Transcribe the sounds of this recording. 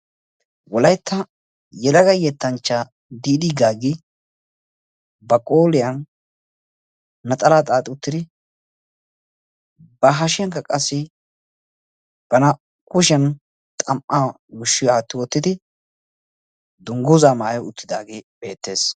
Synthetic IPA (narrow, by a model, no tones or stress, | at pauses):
wɔlɐjt̪ʰːɐ | jɛlɐɡɐjɛt̪ːɐnt͡ʃːa | d̪iːd̪iɡaːɡɪ | bɐkʼoːlɪjɐn | ɐt̪ʼɐlaːt̪ʼaːt̪ʼɪʊt̪ːɪd̪ɪ | bɐɦɐʃɪjɐŋkɐkʼɐsːɪ | b̥ɐnɐ | kʊʃ̬ɛn | t̪ʼɐmʔa | wʊʃːɪjɔɐt̪ːɪwɔt̪ːɪd̪ɪ | d̪ʊŋɡʊzaːmaːjɔʊt̪ːɪd̪aːɡebe̞ːt̪ːe̞ːs